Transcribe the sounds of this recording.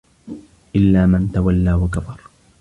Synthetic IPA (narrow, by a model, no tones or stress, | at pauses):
ʔɪlːaːmant̪awalːaːwakabɑɾˤ